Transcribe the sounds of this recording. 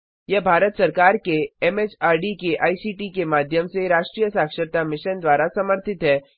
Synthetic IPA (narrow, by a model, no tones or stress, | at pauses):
jɐbʱaːɾət̪sɐɾkaːɾkeɛːmeːt͡ʃaːɾɖikeʔaːisiːʈikemaːd̪ʱjəmseɾaːʃʈɾijəsaːkʃəɾt̪amɪʃənd̪waːɾasɐməɾt̪ʰɪt̪ɦɛː